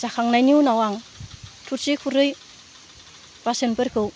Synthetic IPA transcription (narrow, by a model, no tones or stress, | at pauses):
zakʰaŋnajniwnawaŋtʰuɾt͡ʃikʰuɾɯj | b̥asenbɯɾkʰɯw